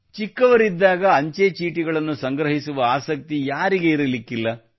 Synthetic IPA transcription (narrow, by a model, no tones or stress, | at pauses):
t͡ʃikːɐʋɐɾid̪ːaːɡɐːɲt͡ʃet͡ʃiːʈiɡɐɭɐnːusɐŋɡɾɐɦisuʋɐaːsɐk̚t̪ijaːɾiɡe̞iɾɐlikːilːɐ